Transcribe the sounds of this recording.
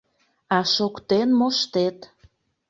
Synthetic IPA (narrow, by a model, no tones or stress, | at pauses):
ɑʃokt̪enmoʃt̪et̪